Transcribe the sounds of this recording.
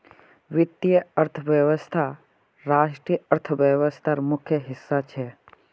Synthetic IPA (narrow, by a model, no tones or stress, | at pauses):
ʋɪt̪ːijəəɾt̪ʰəʋjəʋəst̪ʰa | ɾaːʃʈɾijəəɾt̪ʰəʋjəʋəst̪ʰaɾmʊkʰjəɦɪsːat͡ʃʰɛ